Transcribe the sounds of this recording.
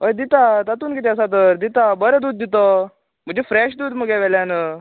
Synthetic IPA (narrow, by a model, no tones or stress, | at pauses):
ɦəjd̪it̪at̪at̪uːnkit̪̬ɛəs̬at̪̬əɾd̪it̪abəɾəd̪uːd̪̚ːit̪ɔ | m̤əd͡ʑefɾɛɕd̪uːd̪məɡɛʋɛljanə